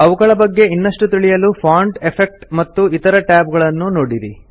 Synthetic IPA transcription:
ɐʋuɡɐɭɐbɐɡːe̞inːɐʂʈut̪iɭijɐlupʰaːɳɖepʰek̚ʈmɐt̪ːuit̪ɐɾɐʈaːb̚ɡɐɭɐnːunoːɽiɾḭ

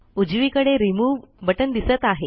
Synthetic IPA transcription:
ud͡ʑʋiːkəɽeɾimuːbəʈənd̪isət̪aɦe

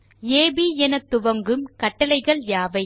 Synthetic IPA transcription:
eːbiːɛnɐt̪ːʊʋɐŋɡɯmkɐʈːɐlɐɪɣɐɭjaːʋɐɪ

